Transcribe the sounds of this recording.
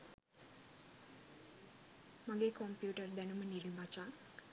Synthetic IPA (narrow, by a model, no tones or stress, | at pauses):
mɐɡeːkompjuːʈɐɾd̪ɐnumɐniɽimat͡ʃaː